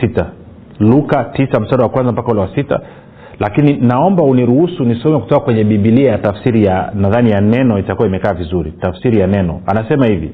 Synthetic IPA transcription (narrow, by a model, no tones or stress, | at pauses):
ita | lukatisam̩saɗawakwanzam̩pakaulɛwasita̰ | lakininaɔmbauniɾuhusunisɔmɛku̥tɔkakwɛɲɛɓiɓiliajatafsiɾijanaðanijanɛnɔitakuwaimɛkaːvizuɾitafsiɾijanɛnɔ̰anasɛmahivḭ